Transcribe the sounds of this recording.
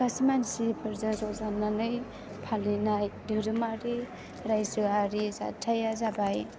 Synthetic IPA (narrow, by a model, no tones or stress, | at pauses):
kasimansipʰɯɾzazɔzananɯj | pʰalinajdɯɾɯmaɾi | ɾajsɯaɾiza̰tʰajazabaj